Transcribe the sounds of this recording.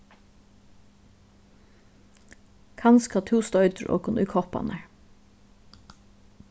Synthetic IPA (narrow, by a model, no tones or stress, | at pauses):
kʰɑnskɑt̪ʰuːst̪ɔʏt̪əɹo̰ːkʊnʔʉʏkʰɔpɑ̰næɹ